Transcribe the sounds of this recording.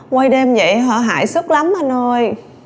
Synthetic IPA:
kwa˧jɗe˧mzə̰˧˨jɦɔ̰˧˨ɦa̰ː˧˨jsə˦˥t̚la˨˦mhə˧nzo˧j

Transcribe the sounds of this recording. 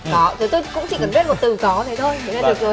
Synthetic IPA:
kɔ˨˦t̪ʰə˨˩jt̪o˧jkʊ̰˧˥ŋ͡mt͡ɕḭ˧˨kə˨˩nzi˦˥t̚mo˨˩t̚t̪ɨ˨˩kɔ˨˦t̪ʰə˨˦jt̪ʰo˧jt̪ʰə˨˩˦na˧ə˨˩kə˨˦

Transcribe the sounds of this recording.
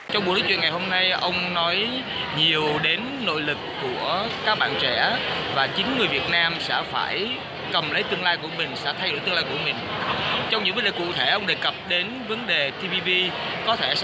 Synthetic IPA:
t͡ɕɔ˧wŋ͡mɓu˨˩ləː˨˦˥t͡ɕwḭ˨nŋa˨˩jho˧mna˧jʔə˧wŋ͡mnɔ˨˦j | ɲi˨˩əwɗe˨˦nːo̰˧˨jlɨ˨˩kːu˧˩əkaː˦˥k̚ɓa̰ː˧˨nt͡ɕɛ̰˧˩˥vaː˨˩t͡ɕï˨˦ŋŋɨ˨˩əjvi˨˩ət̚naː˧msɛ̰˧˥fa̰ː˧˩j | kə˨˩mlə˨˦jt̪ɨ˧əŋlaː˧jku˧˩əmï˨˩ŋ̟sɛ̰˧˥t̪ʰa˧jo˧˨jt̪ɨ˧laː˧ku˧˩əmï˨˩ŋ̟t͡ɕɔ˧wŋ͡mɲɨ̰˧˥ŋvə˨˦nɗe˨˩kṵ˧˨t̪ʰe˧˩ʔə˧wŋ͡mɗe˨˩kə˨˩p̚ɗe˨˦nvə˨˦nɗe˨˩t̪ʰi˧vi˧vi˧kɔ˨˦t̪ʰe˧˩

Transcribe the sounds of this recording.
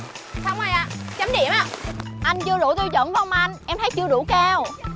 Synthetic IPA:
sa˧wŋ͡ma˧˩jʔa̰ː˧˩t͡ɕa˨˦mɗḭ˧˩əmʔaː˧˩ʔa˧jŋ̟t͡ɕɨ˧əɗṵ˧˩˦t̪i˧wzə̰˧˨nvwŋ͡mm˨ʔa˧jŋ̟ʔɛ˧mt̪ʰjt͡ɕɨ˧əɗṵ˧˩kaː˧w

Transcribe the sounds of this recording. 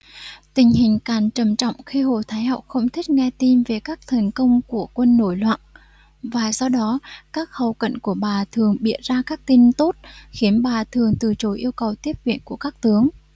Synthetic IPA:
t̪ï˨˩ŋ̟ɦï˨˩ŋ̟kaː˨˩nt͡ɕə˨˩mt͡ɕɔ̰˧˨wŋ͡mxi˧ɦo̰˧˩t̪ʰaː˨˦jɦa˧˨wk͡p̚xə˧wŋ͡mt̪ʰï˦˥k̟̚ŋɛ˧t̪i˧mve˨˩kaː˦˥k̚t̪ʰə˨˩ŋ̟kə˧wŋ͡mku˧˩əkwə˧nːo˧˩jlwa̰ː˧˨n | vaː˨˩sɔ˧wɗɔ˨˦kaː˦˥k̚hə˨˩wkə̰˧˨nku˧˩əɓaː˨˩t̪ʰɨ˨˩əŋɓḭ˧˨ən̚zaː˧kaː˦˥k̚t̪i˧nt̪o˦˥t̚xi˨˦ənɓaː˨˩t̪ʰɨ˨˩əŋt̪ɨ˨˩t͡ɕo˨˦jʔi˧əwkə˨˩wt̪i˦˥əp̚vḭ˧˨ənku˧˩əkaː˦˥k̚t̪ɨ˨˦əŋ

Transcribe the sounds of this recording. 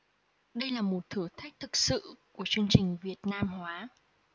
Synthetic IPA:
ɗə˧jlaː˨˩mo˨˩t̚t̪ʰɨ˧˩ət̪ʰa˦˥k̚t̪ʰɨ˨˩k̚sɨ̰˧˨ku˧˩ət͡ɕɨ˧əŋt͡ɕï˨˩ŋ̟vi˨˩ət̚naː˧mhwaː˨˦

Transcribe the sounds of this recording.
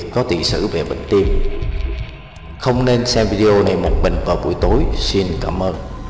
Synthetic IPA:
kɔ˨˦t̪ḭ˧˨sɨ̰˧˩ve˨˩ɓḭ˧˨ŋ̟t̪i˧m | xə˧wŋ͡mne˧nsɛ˧mvi˧ɗi˧ʔo˧na˨˩jmo˨˩t̚ɓḭ˧˨˩ŋ̟vaː˨˩ɓṵ˧˩əjt̪o˨˦jsi˧nkaː˧˩mʔəː˧n

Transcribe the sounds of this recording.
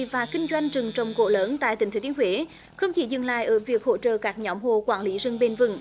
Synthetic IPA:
vaː˨˩kï˧ŋ̟zwa˧jŋ̟t͡ɕɨ˨˩ŋt͡ɕə˨˩wŋ͡mko̰˧˩ləː˨˦nt̪a̰ː˧˨t̪ï˨˩ŋ̟t̪ʰːt̪i˨˦ənhwe˨˦ | xə˧wŋ͡mt͡ɕi˧˩˦zɨ̰˧˩˨ŋla̰ː˧˨jʔəː˧˩vi˨˩ək̚ho̰˧˨t͡ɕə̰ː˧˨kaː˦˥k̚ɲɔ˨˦wmho˧˨kwaː˧˩nli˨˦zɨ˧˩ŋɓe˧nvɨ̰˧˨˩ŋ

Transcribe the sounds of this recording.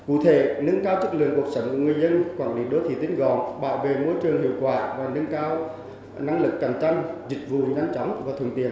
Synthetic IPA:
kṵ˧˩t̪ʰe˧˩nɨ˧nkaː˧wt͡ɕɨ˦˥k̚lɨ̰˧˨əŋku˨˩ək̚sə˨˧˦wŋ͡mku˧˩əŋɨ˨˩əjzə˧nkwaː˧˩nli˨˦ɗo˧˨˦t̪ʰḭ˧˩t̪ï˨˧˦ŋ̟ɣɔ˧˩nɓa̰ː˧˨wve˨˩mo˧jt͡ɕɨ˨˩əŋhḭ˧˨əwkwaː˧˩vaː˨˩nɨ˧nkaː˧w | na˧ŋlɨ˨˩kːa˧˩ŋ̟t͡ɕa˧jŋzï˨˩k̟̚vṵ˧˨ɲa˧jŋt͡ɕɔ˨˦wŋ͡mvaː˨˩t̪ʰɨ˧əŋt̪ḭ˧˨ən

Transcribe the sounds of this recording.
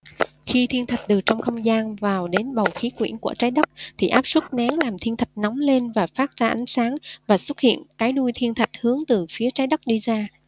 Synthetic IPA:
xi˧t̪ʰi˧ənt̪ʰə˨˩k̟̚ɗɨ˨˩k̚t͡ɕɔ˧wŋ͡mxə˧wŋ͡mzaː˧nvaː˨˩wɗe˨˦nɓə˨˩wxi˨˦kwḭ˧˩ənku˧˩ət͡ɕaː˨˦jɗə˦˥k̚t̪ʰi˨˩ʔaː˦˥p̚swə˦˥t̚na˨˦ŋlaː˨˩mt̪ʰi˧ənt̪ʰə˨˩k̟̚nɔ˨˦ŋ͡mle˧nvaː˨˩faː˦˥t̚zaː˧ʔa˨˦ŋ̟saː˨˦ŋvaː˨˩swə˦˥t̚hḭ˧˨ənkaː˨˦jɗu˧jt̪ʰi˧ənt̪ʰə˨˩k̚hɨ˨˦əŋt̪ɨ˨˩fi˨˦ət͡ɕaː˨˦jɗə˦˥k̚ɗi˧zaː˧

